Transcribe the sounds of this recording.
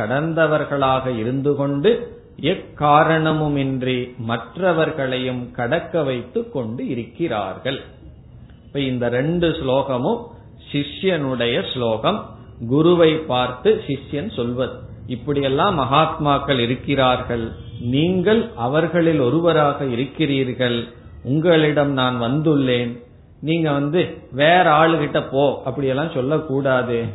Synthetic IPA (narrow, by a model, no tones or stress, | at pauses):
kɐɽɐnd̪ɐʋɐɾɣɐɭaːɣɐɪɾɯnd̪ɯkɔɳɖɯ | ɛkːaːɾɐɳɐmɯmɪndrimɐʈrɐʋɐɾɣɐɭɐjɯmkɐɽɐkːɐʋɐɪt̪ːɯkːɔɳɖɯɪɾɯkːɪra̰ːɾɣɐɭ | ɪpːɐːɪnd̪ɐɾɛɳɖɯsloːɣɐmɯm | sɪʂjɐnɯɽɐjɐsloːɣɐm | ɡʊɾʊʋɐɪpːaːɾt̪ɯsɪʂjɐnsɔlʋɐðɯ | ɪpːɐɽɪjɛlːãːmɐɣaːt̪maːkːɐɭɪɾɯkːɪɾaːɾɣɐɭniːŋɡɐɭɐʋɐɾɣɐɭɪlɔɾɯʋɐɾaːɣɐɪɾɯkːɪriːɾɣɐɭ | ʊŋɡɐɭɪɽɐmnaːnʋɐnd̪ɯɭːeːn | niːŋɡɐʋɐnd̪ɯʋeːɾɐaːɭɯkɪʈːɐpːoːʔɐpːɐɽɪjɛlːãːsɔlːɐkːuːɽaːðɯ